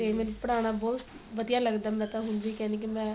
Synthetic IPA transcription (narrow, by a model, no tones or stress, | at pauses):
eːmɛ̃ːnpəɽaːɽ̃aːbɔːt̪ʋəd̪ijaːləɡd̪aːmɛ̃ət̪ãɦʊnd̪iːkɛ̃ːnd̪eːk̬imɛ̃ː